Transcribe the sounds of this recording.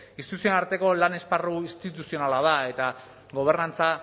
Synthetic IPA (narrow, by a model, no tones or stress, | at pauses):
ist̪it̪usionaɾt̪e̞ko̞lane̞sparuist̪it̪usio̞nalað̞ae̞t̪a | ɣo̞β̞e̞ɾnant͡sa